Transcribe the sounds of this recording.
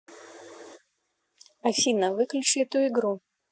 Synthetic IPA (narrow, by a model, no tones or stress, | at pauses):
ɐfʲinɐvɨklʲut͡ʃɨt̪uiɡɾu